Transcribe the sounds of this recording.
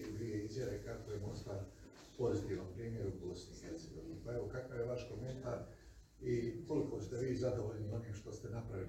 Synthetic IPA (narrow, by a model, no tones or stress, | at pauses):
id̪ʋije̞izjaʋe̞kakojemo̞nst̪aɾ | po̞zit̪iːʋnompɾiːmje̞ɾubo̞snixeɾt̪se̞ɡo̞ʋinipae̞ʋo̞kakaʋjeʋaʃko̞me̞nt̪aɾ | iko̞liko̞st̪e̞ʋiːzad̪o̞ʋoʎnioniːmʃt̪o̞st̪e̞napɾaʋi